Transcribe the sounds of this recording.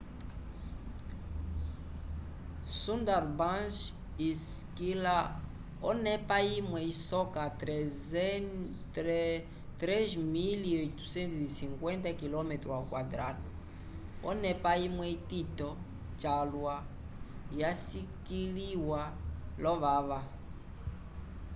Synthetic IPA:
sũndaɾbãnʃ | is | kila | ɔnɛpaimwɛisɔkatɾɛ | t̪ɾɛzmiliojt̪u̥sɛ̃nt̪uisiŋkwɛ̃ntakilɔmɛt̪ɾuakwadɾatu | ɔ̰nɛpaimwɛititɔ | t͡ʃalwa | jasikiliwalɔβaβa

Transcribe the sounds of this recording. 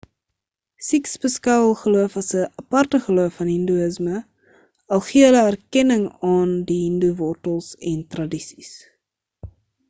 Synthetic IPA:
siksbəskɐwəlˠχəluəfɐsəʔɐpɐrtəχəluəfɐnɦənduəsmə | ɐlˠχiələærkɛnəŋɑːndiɦənduvɔrtəlˠsɛntrɐdisi̥s

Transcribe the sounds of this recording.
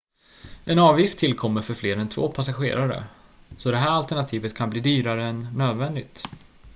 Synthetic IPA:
ʔɛnɑːvjɪft̪ʰːɪlkʰɔmːəɾfœɾfleːɾɛnt̪ʰvo̰ːpʰasaɧḛːɾaɾə̰sɔd̪ɛɦæːɾalt̪æɳat̪ʰiːvət̪kʰanbliːd̪yːɾaɾəɛnːøːd̪vɛnd̪ɪt̪

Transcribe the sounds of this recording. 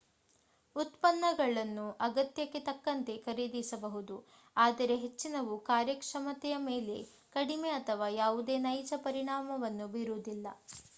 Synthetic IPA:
ut̪pɐnːɐɡɐɭɐnːuʔɐɡɐt̪jɐkːet̪ɐkːɐnt̪e̞kɐɾid̪isɐbɐɦud̪u | aːd̪ɐɾe̞ɦet͡ʃːinɐʋukaːɾjɐkʂɐmɐt̪ɛjɐmeːle̞̰ | kɐɽime̞ɐt̪ʰɐʋaːjaːʋud̪e̞ːnɐjt͡ʃɐpɐɾiɳaːmɐʋɐnːubiɾud̪ilːɐ̰

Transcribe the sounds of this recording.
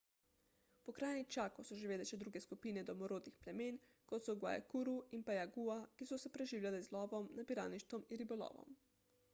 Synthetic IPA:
pɔkɾajnixt͡ʃaːkɔwsɔʒeʋeːdlɛʃɛd̪ɾuːɡɛskupiːnɛd̪ɔmɔɾoːd̪nixplɛmeːn | kɔt̪sɔɡwa̰jɛ̰kuɾuinpajaɡuakisɔsɛpɾɛʒiːwlʲjalɛzlɔːʋɔmnapiɾa̰ːniʃt̪ɔminɾibɔlɔ̰ːʋɔ̰m

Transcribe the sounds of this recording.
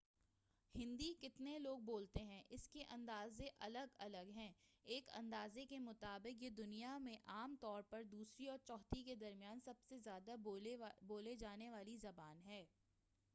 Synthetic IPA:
hɪ̃nd̪ikɪt̪neloːɡ̚boːlt̪eɦɛ̃ʔɪskeʔɐ̃nd̪aːzeʔɐləɡɐləɡɦɛ̃ːeːkɐ̰̃nd̪aːzekemʊt̪aːbɪqjed̪ʊnijamẽʔaːmt̪ɔːɾpɐɾd̪uːsɾiɔːɾt͡ʃɔːt̪iked̪ɐɾmijaːnsɐbsezjaːd̪aboːled͡ʒaːneʋaːlizɐbaːnɦɛː

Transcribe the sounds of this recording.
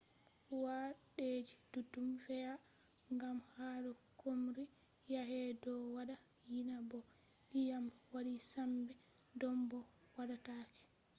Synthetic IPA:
waɗed͡ʒid̥utːumfɛja | ŋɡamhaɗɔkʰomɾi | jaɦɛdɔwaɗa | jinabɔ | lijamwaɾisambɛ | dɔmbɔ | waɗatakɛ̥

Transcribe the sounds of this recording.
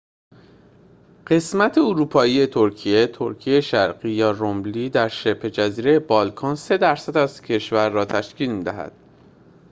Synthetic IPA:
ɢ̥e̞smæt̪ʰeoɾuːpʰɒːiːje̞t̪ʰo̞ɾcʰije̞t̪ʰo̞ɾcʰieeʃæɾɢiːjɒːrombliːd̪æɾʃe̞pʰe̞d͡ʒæziːɾe̞jebɒːlkʰɒːnse̞d̪æɾsæd̪æz̥cʰe̞ʃvæɾːɒːt̪ʰæʃciːlmiːd̪æɦæ̰d̪̥

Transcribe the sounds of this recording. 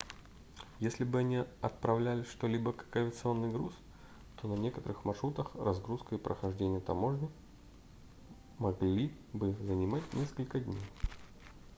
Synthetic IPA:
jesʲlʲɪbɨɐnʲiɐt̪̚pɾɐvlʲælʲɪʂt̪olʲibəkəkəvʲɪət̪sɨonːɨjɡɾus | t̪o̞nɐnʲe̞kət̪əɾɨxmɐrʂɾut̪əxrɐzɡɾuskəipɾəxɐʐdʲenʲɪjət̪ɐmo̞ʐnɨ | mɐɡlʲi | bɨzənʲɪmatʲnʲeskəlʲkədʲnʲej

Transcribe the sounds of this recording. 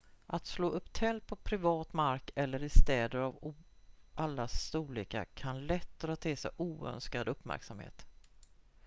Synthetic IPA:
ʔat̪sloːʔɵpːt̪ʰɛlt̪̚pʰɔpʰɾɪvɑːt̪maɾkɛlːəɾɪst̪ɛːd̪əɾav | ʔalːast̪uːliːka̰kʰanlɛt̪ːɔɾat̪ʰːɪːsɛ̰ʔuːœ̰nskad̪ɵpːmæ̰ɾksamhḛːt̪

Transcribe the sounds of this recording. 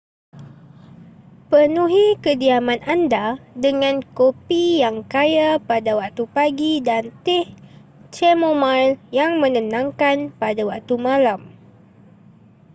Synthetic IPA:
pənũɦikədiamãnandadəŋãnkopijaŋkajapadawak̚t̪upaɡidant̪ɪh | t͡ʃɛmomaljaŋmə̃nə̃nãŋkanpadawak̚t̪umãlam

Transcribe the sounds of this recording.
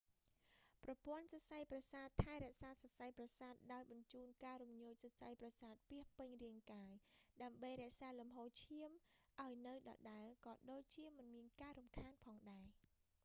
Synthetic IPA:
prɑpʊ̆ənsɑsajprɑsaːt̪ʰːaɛɾɛ̆əʔsaːsɑsajprɑsaːt̪̚ɗaɔjɓɑɲt͡ɕuːnkaːɾumɲuːc̚sɑsajprɑsaːt̪̚piəhpɨɲriəŋkaːjɗaəmɓəjɾɛ̆əʔsaːlumɦoːt͡ɕʰiəmʔaɔjnɨwɗɑ̰ɗaɛlkɑːɗoːc̚t͡ɕiəmɨnmiənkaːɾumkʰaːnpʰɑːŋɗaɛ

